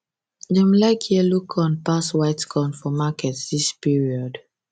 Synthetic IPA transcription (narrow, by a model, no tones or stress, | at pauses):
dɛ̃mlaɪkʰhiəlukʰɔ̃npaswaɪtkɔ̃nfɔmakɛtdispiɹiɔd